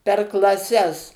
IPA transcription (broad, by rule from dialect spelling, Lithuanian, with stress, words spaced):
pʲɛr klˠɐˈsʲɛs